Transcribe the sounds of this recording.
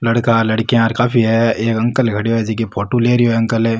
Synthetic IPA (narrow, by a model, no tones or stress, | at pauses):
lɐɽkalɐɽkeaɾkaːpʰiɦɛeːkɐ̃ŋkəlɡʱɐɽijoɛd͡ʒikipʰoːʈuleːɾioɦɐ̃ŋkəlɛː